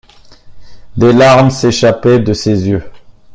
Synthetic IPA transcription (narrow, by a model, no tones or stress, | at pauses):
d̪elaʁmseʃapɛd̪əsezjø